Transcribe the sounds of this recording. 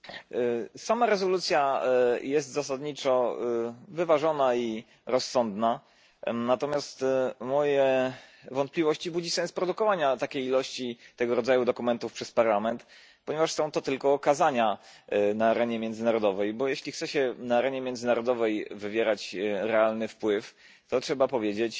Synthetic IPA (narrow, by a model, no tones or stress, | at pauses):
samaɾɛzɔlut̪sʲjajɛst̪zasad̪ɲit͡ʂɔ | vɘvaʐɔnai | ɾɔsːɔnd̪na | nat̪ɔmʲjast̪mɔjɛvɔnt̪̚plʲivɔɕt͡ɕibud͡ʑisɛ̃spɾɔd̪ukɔvaɲat̪akʲejilɔɕt͡ɕit̪ɛɡɔɾɔd̪zajud̪ɔkumɛnt̪ufpʂɛspaɾlamɛnt̪ | pɔɲɛvaʂsɔ̃w̃t̪ɔt̪ɘlkɔːkazaɲa | naːɾɛɲɛmʲjɛnd̪zɘnaɾɔd̪ɔvɛjbɔjɛɕlʲixt̪sɛɕɛnaːɾɛɲɛmʲjɛnd̪zɘnaɾɔd̪ɔvɛjvɘvʲjɛɾat͡ɕɾɛalnɘfpwɘf | t̪ɔtʂɛbapɔvʲjed͡ʑet͡ɕ